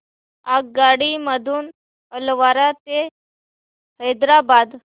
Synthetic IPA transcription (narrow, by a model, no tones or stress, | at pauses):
ak̚ɡaɽiməd̪ʱuːn | əlʋaɾat̪e | həjd̪ɾabad̪